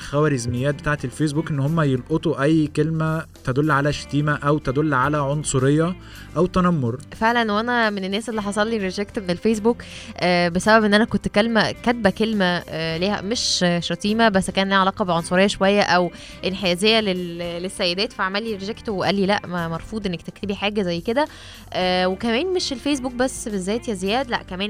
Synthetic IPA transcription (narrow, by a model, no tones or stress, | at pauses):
xæwæɾezmejːæːt̪̚bet̪aːʕet̪elfeːs̬buːkʔenːhomːæjelʔot̪ˤuʔæjːkelmæt̪æd̪olːʕalæʃæ̥t̪iːmæʔæwt̪æd̪olːʕalæʕonsˤoɾejːɑ | ʔæwt̪ænæmːoɾˤfeʕlænwænæmenenːæːsʔelːiħɑsˤɑlːiɾeʒækt̪menelfeːs̬buːk | ʔæːbesæbæbʔenːʔænækont̪kælmækæt̪̚bækelmæliːhæ̰meʃʃɑt̪ˤiːmæbæsːkæːnliːʕalɑːqɑbeʕonsˤoɾejːɑʃowæjːæʔæw | ʔenħejæzejːælellesːæjːed̪æːt̪fiʕamæːlːiɾeʒækt̪oweʔæ̰lːilæʔmæmɑɾˤfuːd̪ʔenːek̚t̪ekt̪ebiħaːɡæzæjːked̪æ | ʔæːwekæmæːnmeʃelfejs̬buːk̚bæsːbezːæːjet̪jæzejæːd̪læʔkæmæːn